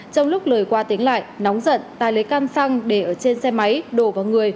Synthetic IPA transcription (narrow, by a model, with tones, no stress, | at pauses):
t͡ɕɔ˧wŋ͡mlʊ˦˥k͡p̚ləː˨˩jkwaː˧t̪i˨˦əŋla̰ː˧˨jnɔ˨˦wŋ͡mzə̰˧˨nt̪aː˨˩jlə˨˦jka˧nsa˧ŋɗe˧˩ʔəː˧˩t͡ɕe˧nsɛ˧ma˨˦jɗo˧˩vaː˨˩wŋɨ˨˩əj